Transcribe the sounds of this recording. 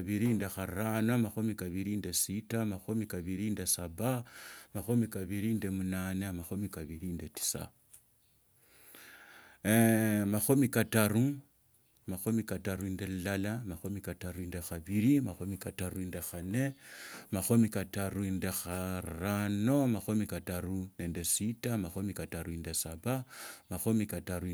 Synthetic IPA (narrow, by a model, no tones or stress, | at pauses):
βiɾindexaɾanomaxomikaβiɾindesitamaxomikaβiɾindesaβamaxomikaβiɾindemunanemaxomikaβiɾindeti̥sa̰ | maxomikataru | maxomikataruindellalamaxomikataruindexaβiɾimaxomikatarundexanemaxomikatarundexarano̞maxomikataruneːndesitamaxomikataɾuindesaβamaxomikataɾu